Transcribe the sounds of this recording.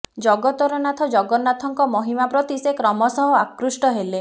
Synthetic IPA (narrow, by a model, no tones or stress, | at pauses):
d͡ʒɔɡɔt̪ɔɾɔnat̪ʰɔd͡ʒɔɡɔnat̪ʰɔŋkɔmɔɦimapɾɔt̪isekɾɔmɔsɔɦɔakɾusʈɔɦele